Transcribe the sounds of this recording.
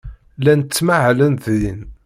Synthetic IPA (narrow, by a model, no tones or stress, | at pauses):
lænt͡sːmaʕlənθin